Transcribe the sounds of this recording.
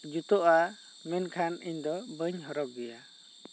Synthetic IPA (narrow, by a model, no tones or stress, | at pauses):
d͡ʒut̪ɔʔa | mɛnkʰaniɲd̪ɔbəɲɦɔɾɔb̚ɡɛja